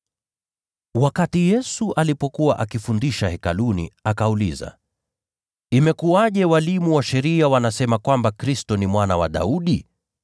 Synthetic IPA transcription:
wakatijɛsuʔalipɔkuwaʔakifundiʃahɛkalunḭakaulḭza̰ | imɛkuaʄɛwalimuwaʃɛɾiawanasɛmakwambakɾistɔnimwanawa̰ɗa̰uɗi

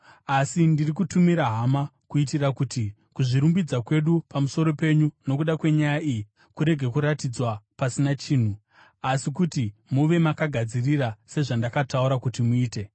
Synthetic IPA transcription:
asindirikutumiɾaɦamakuitirakuti | kuʐiɾumbid͡zakwe̞ɗupamuso̞ɾo̞pe̞ɲuno̞kuɗakwe̞ɲajaʔiji | kuɾe̞ɡʱe̞kuɾatid͡zwapasinat͡ʃiːn̤u | asikutimuʋe̞makaɡʱad͡zirirase̞ʐandakatauɾakutimuiːte̞

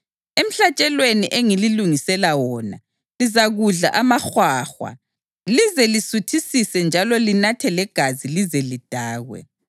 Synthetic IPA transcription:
em̩ɬat͡ʃʼɛlweniʔeŋililuŋisɛlawɔːna̰ | lizaɣuɮa̰ʔamaxwaːxwa̰ | lizɛlisutʰisisɛnd͡ʒʱalɔlinatʰɛlɛɡ̥ʱazilizɛlid̥ʱaːɣwɛ̰

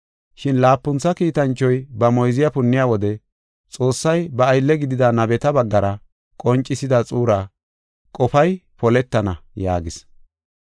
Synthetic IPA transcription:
ʃɪnlaːpːʊnt͡sːɐkiːt̪ɐnt͡ʃːɔjbɐmɔjzɪjɐpʊnːɪjaːwɔd̪ɛ | t͡sʼo̞ːsːɐjbɐːjlːɛɡɪd̪ɪd̪ɐnɐbɛt̪ɐbɐɡːɐɾɐ | kʼɔnt͡ʃʼːɪsɪd̪ɐt͡sʼuːɾa | kʼɔfɐjpɔlɛt̪ːɐnɐja̰ːɡɪs

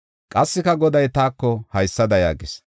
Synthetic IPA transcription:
kʼɐsːɪkɐɡɔd̪ɐjt̪aːkːɔhɐjsːɐd̪ɐja̰ːɡɪs

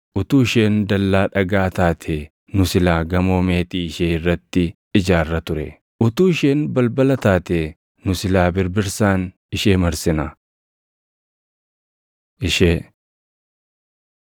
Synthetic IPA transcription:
ʔʊt̪uːɪʃe̞ːnd̪ɐlːaːᶑɐɡaːt̪aːt̪ʰeː | nʊsɪlaːɡɐmo̞ːme̞ːt̪iːɪʃeːɪrːɐt̪ːɪ | ɪd͡ʒaːrːɐt̪ʊɾɛ̰ | ʔʊt̪uːɪʃeːnbɐlbɐlɐt̪aːt̪eː | nʊsɪlaːbɪɾbɪɾsaːn | ɪʃeːmɐɾsɪnɐ | ʔɪʃeː

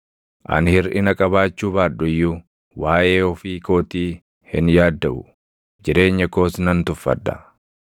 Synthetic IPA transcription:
ʔɐ̰nhɪɾʔɪnɐkʼɐβaːt͡ʃːuːbaːᶑʊɪjːʊ | waːʔe̞ːɔfiːko̞ːt̪iː | hɪ̰njaːd̪ːɐʔʊ̰ | d͡ʒɪɾe̞ːɲːɐko̞ːsnɐnt̪ʊfːɐ̰d̪ɐ̰

